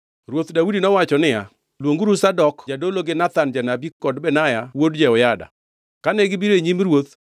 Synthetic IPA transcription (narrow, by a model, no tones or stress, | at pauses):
rwot̪dawudinɔwat͡ʃɔnɪja | lwoŋɡuɾusadɔkd͡ʒadoloɡɪnat̪and͡ʒanabikːɔdbɛnajawodd͡ʒɛɔjada̰ | kanɛɡɪbiɾeɲimɾwot̪